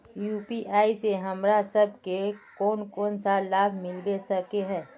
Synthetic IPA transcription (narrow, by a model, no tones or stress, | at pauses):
juːpiʔaːiseɦɐmɾasɐb̚ʱkekɔːnkɔːnsalaːbʱmɪlbesɐkeɦɛ̃ː